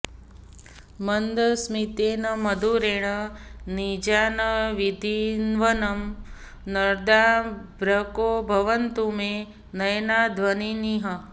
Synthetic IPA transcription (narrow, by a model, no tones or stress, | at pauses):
mənd̪ɐsmit̪eːnɐmɐd̪ʱuɾeːɳ̃ənid͡ʒaːnɐʋid̪ʱinʋɐnɐm | nəɾd̪abɾɐkoːbʱɐʋənt̪ume | nɐjnaːd̪ʱʋɐniniɦɐ